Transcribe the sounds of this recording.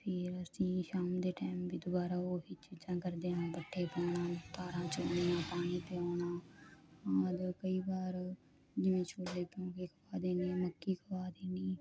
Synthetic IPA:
pʰɪɾəsĩːʃaːmd̪eːʈɛːmbiːd̪ʊbaːɾaːoːɦiːt͡ʃiːd͡ʒãːkəɾd̪eːɦãːbəʈʰːeːpəːnãːt̪aːɾãːt͡ʃʊneːãːpaːñiːp̪eaːɳaː | aːd̪kəiːbaːɾ | d͡ʒɪʋẽːt͡ʃʰoːlːeːkjõːkekʰəʋaːd̪eːniːɛːməkːiːkʰəʋaːd̪eːniː

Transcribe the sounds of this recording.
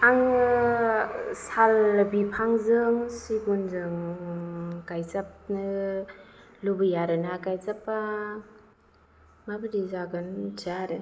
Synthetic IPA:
aŋ | salbipʰaŋzɯŋsiɡunzɯŋ | kajzap̚nɯ | lubɯjaɾɯnakajzapːa | mabɯdizaɡɯnd͡ʒaɾɯ

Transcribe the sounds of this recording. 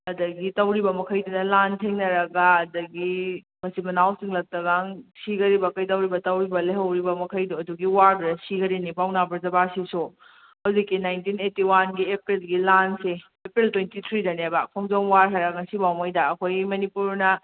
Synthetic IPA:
ɐdɐɡitɐwɾibɐmɐkʰɐjdunɐlantʰeŋnɐɾɐɡaɐdɐɡi | mɐsimɐnawsiŋlɐk̚tɐɡaŋsiɡɐɾibɐkɐjt̬ɐwɾibɐtɐwɾibɐlɐɦɐwɾibɐmɐkʰɐjduɐduɡiwaɾbuɾɐsiɡɐɾinipawnabɐɾzɐbasisu | hɐwzikːinajntinetiwanɡiepɾilɡilanse | epɾiltwentit̪ʰɾidɐnebapʰɔŋzomwaɾɦaɾɐɡɐsibawmɐjdɐɐkʰojɡimɐnipuɾnɐ

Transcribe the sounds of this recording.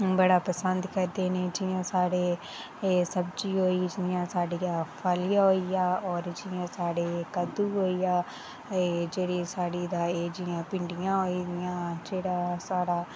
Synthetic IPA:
bəɽaːpəsənd̪kəɾd̪eːnẽːd͡ʒɪjãːsaːɽeː | səbd͡ʒiːɦoːiːd͡ʒɪjãːsaːɽiːaːpʰaːliːaːɦoːijaːɔːɾd͡ʒɪjãːsaːɽeːkəd̪uːɦoːiːjaː | d͡ʒeːɽeːsaːɽiːd̪aːeːd͡ʒɪãːpɪɳɖɪjãːɦoːiːd̪ɪjãːd͡ʒeːɽaːsaːɽaː

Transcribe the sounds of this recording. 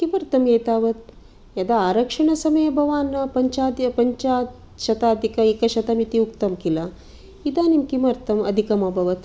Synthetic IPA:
kimɐɾt̪ɐmeːt̪aːʋɐt̪̚ | jɐd̪ɐaːɾɐkʂɐɳɐsɐmɐjɐbʱɐʋaːnːɐpɐɲt͡ʃaːd̪ɐpɐɲt͡ʃaːt̪ | ʃɐt̪aːd̪ikɐekɐʃɐt̪ɐmit̪iukt̪ɐmkilɐ | id̪aːnimkimɐɾt̪ɐmɐd̪ʱikɐmɐbʱɐʋɐt̪

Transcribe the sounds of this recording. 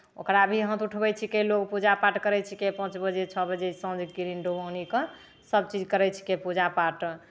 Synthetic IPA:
o̰kɾabʱiɦə̃t̪uʈʰbɛt͡ʃʰikelokpud͡ʒapaʈkəɾɛt͡ʃʰikepə̃t͡ʃbəd͡ʒet͡ʃʰəbəd͡ʒesə̃d͡ʒkiɾinɖobõnikə | səbt͡ʃid͡ʒkəɾɛt͡ʃʰi̥kepud͡ʒapaʈ

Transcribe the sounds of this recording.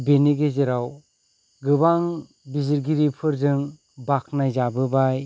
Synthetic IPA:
beniɡezeɾaw | ɡɯbaŋ | biziɾɡiɾipʰɯɾzɯŋ | bak̚ʰnajzabɯbaj

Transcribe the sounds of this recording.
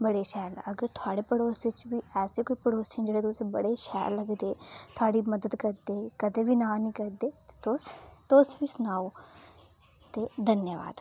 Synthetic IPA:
bəɽeːʃɛːɾəɡəɾt̪ʰʊaːɽeːpəɽoːsʋɪt͡ʃʋiːɛːseːkoːiːpəɽoːst͡ʃʰɪnd͡ʒeːɽeːt̪ʊsbəɽeːʃɛːɾləɡd̪eːt̪ʰʊaːɽiːməd̪əd̪kəɾd̪eːkəd̪eːʋiːnãːnĩːkəɾd̪eːt̪e̥t̪ʊs | t̪ʊsʋiːsʊnaːo | t̪eːd̪ənjəʋa̰ːd̪

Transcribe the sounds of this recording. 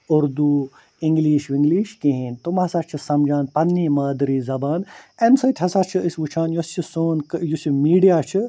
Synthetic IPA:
ʊɾd̪uː | iŋɡliːʃʋiŋɡliːʃkiɦint̪umɦɐsaːt͡ʃʰisɐmd͡ʒaːnpɐnːiːmɐːd̪ɾiːzɐbaːnensɐt̪ʲʰɦɐsaːt͡ʃʰɨisʲʋut͡ʃʰaːnjost͡ʃʰisoːnkjusimiːɖijaːt͡ʃʰɨ

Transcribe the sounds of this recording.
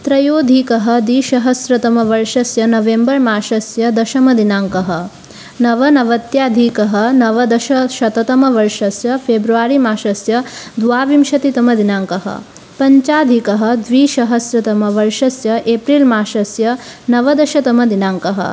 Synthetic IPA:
t̪ɾɐjoːd̪ʱiːkɐɦɐ̆d̪iːʃɐɦɐsɾɐt̪ɐmɐʋɐɾʃɐsjɐnɐʋembɐɾmaːʃɐsjɐd̪ɐʃɐmɐd̪inaːŋkɐɦɐ | nɐʋɐnɐʋɐt̪jaːd̪ʱikɐɦɐ̆nɐʋɐd̪ɐʃɐʃɐt̪ɐt̪ɐmɐʋɐɾʂɐsjɐpʰeːbɾuʋaːɾimaːʃɐsjɐd̪ʋaːʋimʃɐt̪it̪ɐmɐd̪inaːŋkɐɦɐ̰ | pɐɲt͡ʃaːd̪ʱikɐɦɐ̆d̪ʋiːʃɐɦɐsɾɐt̪ɐmɐʋɐɾʂɐsjɐʔeːpɾiːlmaːʃɐsjɐnɐʋɐd̪ɐʃɐt̪ɐmɐd̪inaːŋkɐɦɐ̰

